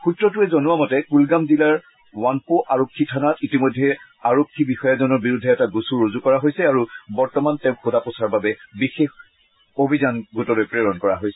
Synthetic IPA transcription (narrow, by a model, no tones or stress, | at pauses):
xutɹɔtʊɛzɔnʊwamɔtɛkulɡamzilaɹ | wanpoʔaɹokʰːitʰanatitimojdʱːɛ | aɹokʰːibixɔjazɔnɔɹbiɹudʱːɛːtaɡusuɹozukɔɹaɦojsɛaɹubɔɹtɔmantɛʊ̃xodaposaɹbabɛbixex | obʱizanɡutɔlojpɹeɹɔnkɔɹa̰ɦojsɛ